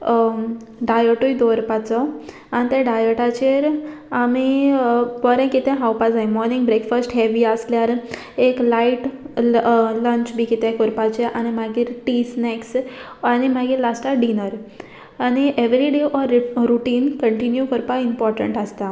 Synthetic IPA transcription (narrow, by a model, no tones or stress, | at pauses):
ɖajəʈujd̪ɔɾpat͡sɔ | anit̪eɖajəʈat͡ɕeɾami | pɔɾɛ̃kit̪ɛ̃ɦawpad͡zajmɔɾnĩŋɡbɾekfəsʈɦɛʋiəsljaɾ | eklaiʈ | ləɲt͡ɕbʱiːkit̪ɛ̃kɔɾpat͡ɕeʔanimaɡiːɾʈisnɛks | añimaɡiːɾlasʈaɖinəɾ | aniʔeʋɾiɖeʔɔɾɾuʈiːnkəɳʈinjukəɾpaimpɔɾʈə̰ɳʈəst̪a